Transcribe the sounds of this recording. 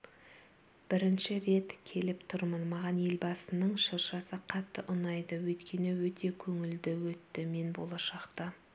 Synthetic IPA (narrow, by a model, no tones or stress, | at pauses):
b̥ɪɾɪnʃɪɾe̞t̪kʲʰe̞lɪpt̪ʰʊɾmənmɑʁɑnje̞lbɑsənəɴʃəɾʃɑsəqʰɑt̪ːəʔʊnɑjd̪əwɵjt̪kʲe̞nɪwɵt̪e̞kʲʰɵŋɪld̪ɪwɵt̪ːɪme̞nbo̞̰lˠɑʃɑqt̪ɑ